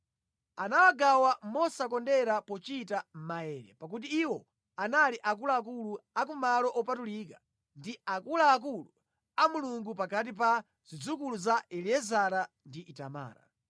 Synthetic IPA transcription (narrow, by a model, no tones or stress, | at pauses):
anawaɡawamɔsak̬ɔndɛɾapɔt͡ʃitam̩maɛːɾɛ̰pak̬ut̬iːwɔ | analiʔak̬ulaːkuluak̬umalɔʔɔpatulik̬ḁ | ndiakulaːk̬ulu | amuluŋɡupakat̬ip̬a | zid͡zukuluzaɛliɛzaɾa | ndiʔita̰ma̰ːɾa̰